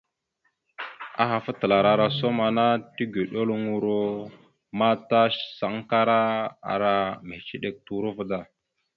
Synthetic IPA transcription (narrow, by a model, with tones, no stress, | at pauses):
a̰˦xa˨fə˦tə˨la˨ɾa˨ɾa˨so˦ma˨na˦ti˦ɡe˨ɗo˦lŋu˨ɾo˦ | ma˦ta˦ʃsa˨˦ŋ˦ka˦ɾa˦a̰˨ɾa˨me˨t͡ʃi˦ɗe˨k̚tu˨˦ɾu˦və˦da˨